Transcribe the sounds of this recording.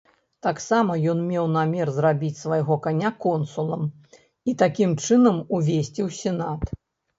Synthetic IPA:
t̪aksamɐjɔnmʲɛwnamʲɛrzrabʲit͡sʲsvajɣɔkanʲakɔnsulˠɐm | it̪akʲimt͡ʂɨnɐmuvʲesʲt͡sʲiwsʲɛnat̪

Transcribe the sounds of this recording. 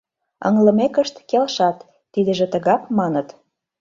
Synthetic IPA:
ə̰ŋlə̆mekəʃt̪kelʃɑt̪ː | id̪ə̆ʒĕt̪ə̆ɣɑpmɑnət̪

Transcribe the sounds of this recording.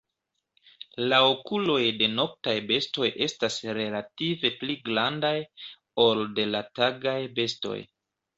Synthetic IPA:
laokulo̞jde̞no̞k̚tajbe̞sto̞jʔe̞stasɾe̞lative̞pliɡlandaj | o̞lde̞lataɡajbe̞sto̞̰j

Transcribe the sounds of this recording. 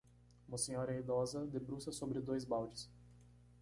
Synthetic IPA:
ũmɐsẽɲɔɾɐid̪ɔzɐd̪ebɾusɐsobɾɪd̪ojzbawd͡ʒɪs

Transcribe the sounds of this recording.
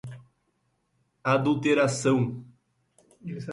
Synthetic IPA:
ad̪ult̪eɾasɐ̃w̃

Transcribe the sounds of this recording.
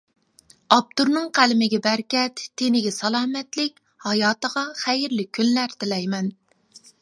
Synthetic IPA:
ɑp̚t̪uɾnɨŋqʰælɪmɪɡʲɛbæɾkʲɛt̪ʰːenɪɡʲɛsɑlˠɑːmɛt̪lɪkʲ | hɑjɑːt̪əʁɑχæjɪɾlɪkʲʰːynlæɾt̪ʰɪlɛjmɛn

